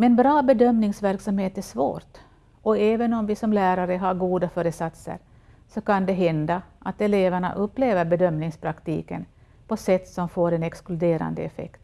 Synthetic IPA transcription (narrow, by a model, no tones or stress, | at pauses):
mɛnbɾɑːbɛd̪œmnɪŋsvæɾksamheːt̪æʂvo̰ːʈ̪ | ɔɛːvənɔmvɪsɔmlæːɾaɾəɦaɾɡuːd̪afœːɾəsat̪sə̰ɾ | sɔkʰand̪ɛɦɛnd̪aʔat̪ɛleːvæɳa̰ʔɵpːleːvəɾbɛd̪œmnɪŋspʰɾakt̪ḭːkə̰n | pʰɔsɛt̪ːsɔmfoːɾɛnɛksklɵd̪eːɾa̰nd̪əɛfɛ̰kt̪